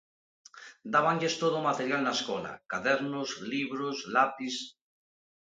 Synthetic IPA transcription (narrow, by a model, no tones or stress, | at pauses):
d̪aβaɲʎest̪oðomat̪eɾjalnaeskola̰kaðeɾnozliβɾozlapis